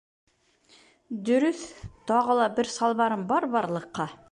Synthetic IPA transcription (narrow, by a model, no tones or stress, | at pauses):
d̪ɵ̆ɾɵθt̪ɒʁɤlˠɑbɘɾsɑlˠβɑɾɤmbɒɾbɑɾlˠɤ̆qːɑ